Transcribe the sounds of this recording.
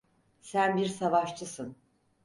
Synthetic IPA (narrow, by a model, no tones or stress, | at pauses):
sænbiɾsavaʃt͡ʃʰɯsɯn